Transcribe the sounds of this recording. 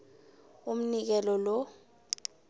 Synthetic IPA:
um̩nik̬ɛlɔlɔ

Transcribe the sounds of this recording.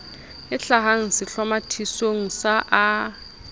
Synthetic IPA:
ɪɬaɦaŋ̩sɪɬamatʰisoŋ̩saʔa

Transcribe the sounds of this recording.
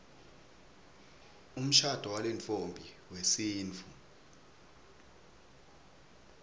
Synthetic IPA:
um̩ʃad̥ʱɔwalɛnt͡fʼombʱi | wesiːnt͡fʰʼu

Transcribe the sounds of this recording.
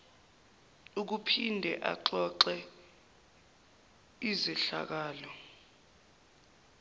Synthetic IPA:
uk̬upʰindʱɛʔa̰ǃɔǃɛ | izɛɬa̰k̬aːlɔ

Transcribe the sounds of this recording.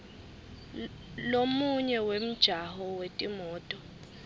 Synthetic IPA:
lomuɲɛwem̩d̥ʒ̥ʱaɦɔwetʼimɔːtʼɔ

